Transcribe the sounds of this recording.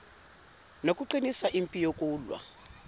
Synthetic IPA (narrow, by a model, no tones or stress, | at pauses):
nokʼuǃinisaʔimpʼijokʼuːlwa̰